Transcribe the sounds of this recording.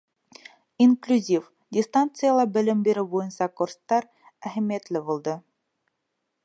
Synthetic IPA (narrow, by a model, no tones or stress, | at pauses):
inklʲʉzʲif | dʲɪst̪ant̪sɨjalˠɑbɘ̆lɘmbeɾɘbujɤ̆nsɑkurst̪ɑɾ | æɦæmʲijet̪lɘbulˠd̪ɤ